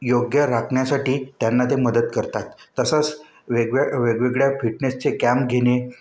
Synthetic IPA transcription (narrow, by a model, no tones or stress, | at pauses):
joɡjəɾakʰɳjasaʈiːt̪janːat̪eməd̪ət̪kəɾt̪at̪ːəsət͡s | ʋeɡʋeɡʋeɡɭjafiʈnest͡sekæmpɡʱene